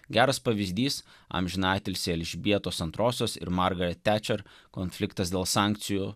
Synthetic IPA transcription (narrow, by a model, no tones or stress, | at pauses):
ɡʲæːɾɐspɐʋʲɪzʲd̪ʲiːs | ɐ̰mʲʒʲɪnɑɪt̪ʲelʲsʲɛlʲʒʲɪbʲiɛt̪oːsɐnt̪ɾoːsʲoːsɪ̰ɾmɑɾɡɐɾʲɛt̪ʲːæːt͡ʃʲɛɾ | konʲfʲlʲɪkt̪ɐsd̪ʲeɛlˠsɑˑŋʲkt̪sʲɪju